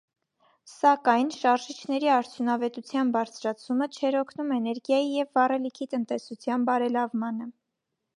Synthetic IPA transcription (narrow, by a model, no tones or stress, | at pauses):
sɑkɑjnʃɑɾʒit͡ʃʰnɛɾiɑɾt͡sʰjunɑvɛt̪ut͡sʰjɑnbɑɾt͡sʰɾɑt͡sʰumət͡ʃʰɛɾɔkʰnumɛnɛɾɡjɑjijɛvːɑrɛlikʰit̪ənt̪ɛsut͡sʰjɑnbɑɾɛlɑvmɑnə